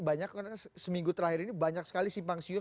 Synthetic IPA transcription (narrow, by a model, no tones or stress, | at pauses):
baɲakːəasəmiŋɡut̪əɾahɪɾinibaɲak̚sə̥kalisimpaŋsiʊ